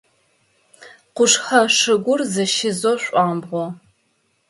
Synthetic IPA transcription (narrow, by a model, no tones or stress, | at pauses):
qʷʊʂħɐʂɨɡʷʊrzɐʃɪzoɕʷʼɑːmbʁʷɔ